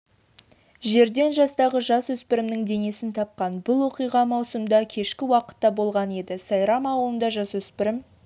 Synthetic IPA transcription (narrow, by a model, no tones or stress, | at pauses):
ʒe̞ɾd̪e̞nʒɑst̪ɑʁəʒɑswɵspɪɾɪmnɪŋd̪e̞ŋe̞sɪnt̪ʰɑp̚qɑnbʊlˠwo̞qijʁɑmɑwsəmd̪ɑkʲʰe̞ʃkʲɪwɑqə̥t̪ːɑbo̞lˠʁɑne̞d̪ɪsɑjɾɑmɑwəlˠənd̪ɑʒɑswɵspɪɾɪm